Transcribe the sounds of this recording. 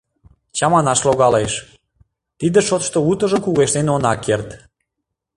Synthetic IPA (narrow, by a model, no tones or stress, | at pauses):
t͡ɕɑmɑnɑʃloɣɑleʃ | t̪id̪ə̆ʃot̪ʃt̪out̪ə̆ʒəmkuɣeʃd̪enonɑkːert̪